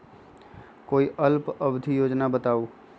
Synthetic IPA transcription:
koːiʔəlpəbd̪ʱijoːd͡ʒnabət̪aːu

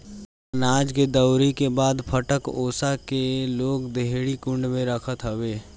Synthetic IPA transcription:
naːd͡ʒked̪əʊɾikebaːd̪pʰəʈəkoːsakeloːɡd̪eɦɽikʊ̃ɳɖmẽɾəkʰət̪ɦəʋeː

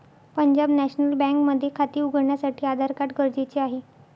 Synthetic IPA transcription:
pəɲd͡ʑabnæɕnəlbɛ̃ŋkməd̪ʱːjekʰat̪iːuɡəɾɳjasaʈʰiːad̪ʱaɾkaʈkəɾd͡ʑet͡ɕeaɦe

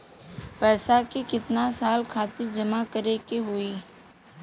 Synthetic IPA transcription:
pɛːsakikɪt̪nasaːlkʰaːt̪ɪɾd͡ʒɐmakəɾekeɦʊiː

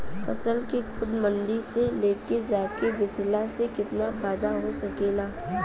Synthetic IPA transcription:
fɐ̰səlkekʰʊd̪mə̃nɖ̪iseleːked͡ʒaːkeʋɪd͡ʒlasekɪt̪nafaːd̪aɦosɐkeːlaː

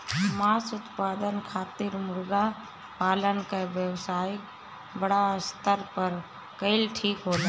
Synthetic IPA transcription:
maːsʊt̪paːd̪ənkʰaːt̪ɪɾmʊɾɡa | paːlənkaʋjəwsaːj | bəɽast̪əɾpəɾ | kəɪlʈʰiːkɦoːla

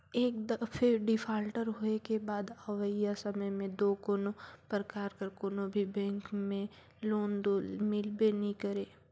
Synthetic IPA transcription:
eːkd̪əpʰɪɖɪpʰaːlʈəɾɦoːekebaːd̪əʋəjasɐməjmẽd̪oːkoːnopɾəkaːɾkəɾkoːnobʱibɛ̃ːŋkmẽ | loːnd̪oːlmɪlbenɦĩkəɾeː

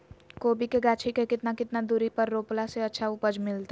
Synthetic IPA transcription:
koːbikeɡaːt͡ʃʰikekɪt̪nakɪt̪nad̪uːɾipəɾːoːplaseɐtːʃʰaʊpəd͡ʒmɪlt̪a

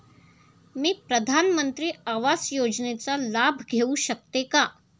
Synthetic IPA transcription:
mipɾəd̪ʱaːnmə̃nt̪ɾiaːʋaːsjoːd͡ʒnet͡salaːbʱɡʱeuʃək̚t̪eka

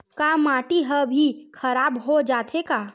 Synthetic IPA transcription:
kamaːʈiɦəbʱikʰəɾaːbɦod͡ʒaːt̪ʰekaː

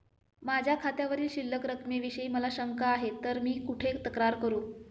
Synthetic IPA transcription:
mad͡ʑʱjakʰat̪jaʋəɾiːlɕilːəkɾəkʰmeʋiɕəiːməlaɕəŋkaːɦet̪ːəɾmiːkuʈʰek̚t̪əkɾaɾkəɾuː

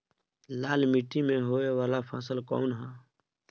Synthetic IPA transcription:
laːlmiːʈːimẽɦoːeʋaːlapʰaːsəlkɔ̰ːnɦɛː

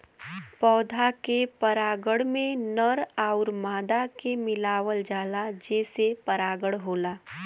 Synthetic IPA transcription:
pɔːd̪ʱakepəɾaːɡəɽmẽnəɾaʊɾmaːd̪akemɪlaːʋəld͡ʒaːlad͡ʒɛːsepəɾaːɡəɽɦoːlaː

